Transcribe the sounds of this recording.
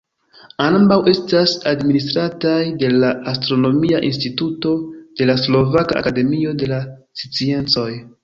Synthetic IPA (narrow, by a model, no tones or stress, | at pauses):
anbawe̞stasadministɾatajde̞laastɾo̞no̞miaʔinstituto̞d̥e̞laslo̞vaka̰ʔa̰kade̞mio̞de̞lasi̥t͡sie̞nt͡so̞j